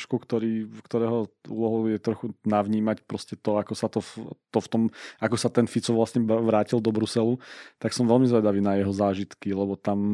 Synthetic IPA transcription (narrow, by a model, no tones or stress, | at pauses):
ʃkɔkt̪ɔɾiːkt̪ɔɾɛːɦɔṵlɔɦɔjɛt̪ɾɔxunaʋɲiːmacpɾɔscɛt̪ɔakɔsat̪ɔt̪ɔft̪ɔmʔakɔsat̪ɛnfit͡sɔʋlasɲɛʋɾaːcild̪ɔbɾusɛlut̪aksɔmʋɛlmizʋɛd̪aʋiːnajɛɦɔzaːʒit̪kilɛbɔt̪am